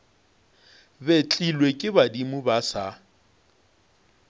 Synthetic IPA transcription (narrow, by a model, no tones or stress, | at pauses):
bet͡ɬʼilwekʼɪbadimʊbasa